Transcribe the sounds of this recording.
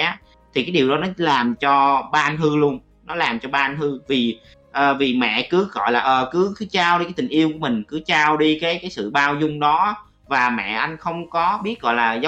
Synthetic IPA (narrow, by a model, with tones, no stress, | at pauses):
aː˨˦ | t̪ʰi˨˩kaː˨˦jɗi˨˩əwɗɔ˨˦nɔ˨˦laː˨˩mt͡ɕɔ˧ɓaː˧nhɨ˧lu˧ən | nɔ˨˦laː˨˩mt͡ɕɔ˧ɓaː˧ʔnɦɨ˧vi˨˩ | ʔəː˨˩vi˨˩mɛ̰˧˨kɨ˨˦ɣɔ̰˧˨jlaː˨˩ʔəː˨˩kɨ˨˦kɨ˨˦t͡ɕaː˧wɗi˧ka˨˦jt̪ï̟˨˩ʔi˧əwku˧˩əmï˨˩ŋ̟kɨ˨˦t͡ɕaː˧wɗi˧kaː˨˦jkaː˨˦jsɨ̰˧˨ɓaː˧wzʊ˧ŋ͡mɗɔ˨˦ | vaː˨˩mɛ̰˧˨ʔa˧jŋ̟xə˧wŋ͡mkɔ˨˦ɓi˦˥ət̚ɣɔ̰˧˨jlaː˨˩z